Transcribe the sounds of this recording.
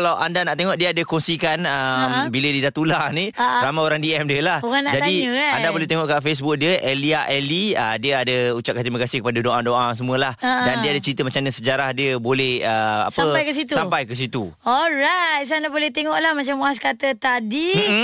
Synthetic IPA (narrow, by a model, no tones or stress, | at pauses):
kəlawʔa̰ndanaʔt̪eŋɔʔdiəadəkɔŋsikanəmbilədidat̪ulaniɾamajoɾaŋdiɛmdiəlahukanad͡ʒaddiaandabolɛht̪eŋɔʔkafes̬bʊk̚diəʔeliaʔɛliədiəadəut͡ʃap̚kant̪ɾiməkasɪhkəpadədoʔadoʔas̬əmũəlahədandiəadət͡ʃɾint̪əmat͡ʃamɲəsəd͡ʒaɾahdiəbolɛhəa̰saəmajkəs̬it̪usãpajkəs̬it̪uɔlɾajt̪sanabolɛht̪eŋɔʔlahmat͡ʃamuaskat̪ət̪adi